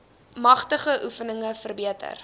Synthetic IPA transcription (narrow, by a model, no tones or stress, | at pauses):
mɐχtəχəʔufənəŋəfərbiətʰə̰r